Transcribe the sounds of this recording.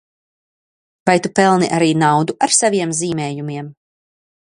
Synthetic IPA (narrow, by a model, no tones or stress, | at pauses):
vajt̪upɛlˠniʔaɾiːnawd̪uʔaɾsaviɛmziːmɛːjumiɛm